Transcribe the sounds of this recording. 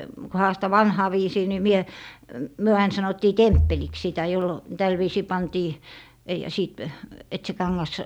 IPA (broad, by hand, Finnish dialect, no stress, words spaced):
kŭ hɑːstɑ ʋɑnhɑː ʋiːsiː ni mie myø ɑin sɑnotːiː tempːeliks sitæ jolːo tæl ʋiːsiː pɑntiː jɑ siːt et se kɑŋːɑs